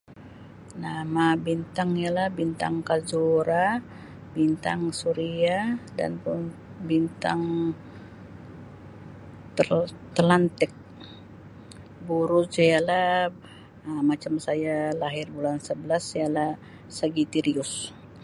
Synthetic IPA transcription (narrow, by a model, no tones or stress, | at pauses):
namabint̪aŋijalahbint̪a̰ŋkazuɾa | bint̪aŋsuɾiada̰npʊnbint̪aŋ | t̪lant̪ɪk̚ | buɾʊd͡ʒajalah | əmat͡ʃamsajalaɦɪrbulansəbəlasjalah | səɡit̪iɾiʊs